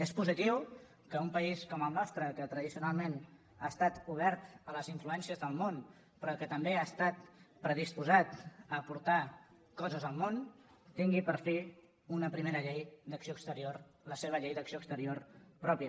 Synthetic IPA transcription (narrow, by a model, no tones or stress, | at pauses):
espuzit̪iw | kəumpəiskɔməlˠnɔst̪ɾəkət̪ɾəðisiunalˠmen | aəst̪at̪uβ̞ɛɾt̪ələziɱfluɛnsiəzðəlˠmon | pɾɔkət̪əmbeast̪at̪̚pɾəð̞ispuzat̪əːpuɾt̪a | kɔzəzəlˠmon | t̪iŋɡipəɾfi | unəpɾimeɾəʎejd̪əksioəkst̪əɾiorləseβ̞əʎejd̪əksioəkst̪əɾiorpɾɔpjə